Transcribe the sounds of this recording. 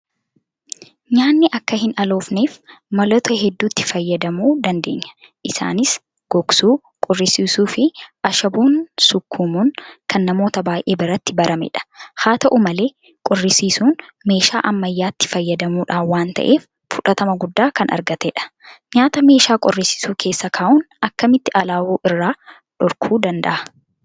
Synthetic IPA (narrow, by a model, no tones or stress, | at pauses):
ɲaːnːɪʔɐkːɐhɪnʔɐlo̞ːfneːfmɐlɐt̪ɔɦɛd̪ːuːt̪ːɪ̥fɐjːɐd̪ɐmuːd̪ɐnd̪e̞ːɲːɐ̥ | ʔɪsa̰ːnɪs | ɡ̥ɔksuː | kʼɔrːɪsiːsuːfɪʔɐʃɐbuːnsʊkʰːumunkʰɐnːɐmo̞ːt̪ɐbaːjʔe̞ːbɪɾɐt̪ːɪbɐɾʔɐmɛ̰ᶑɐ̥haːt̪ɐʔumɐle̞ː | kʼɔrːɪsiːsuːnme̞ːʃa̰ːʔɐmːɐjːaːt̪ːɪ̥fɐjːɐd̪ɐmuːᶑaːwaːnt̪ɐ̰ʔe̞ːf | fʊᶑɐt̪ɐmɐɡʊd̪ːaːkɐnʔɐ̰ɾɡɐt̪ɛːᶑɐ̥ɲaːt̪ɐme̞ːʃaːkʼɔrːɪsɪ̥suːkʰe̞ːsːɐkʰaːʔʊn | ɐkːɐmɪt̪ːɪʔɐlaːwuːʔɪrːaː | ᶑɔɾkʰuːd̪ɐnd̪ɐ̰ʔɐ̥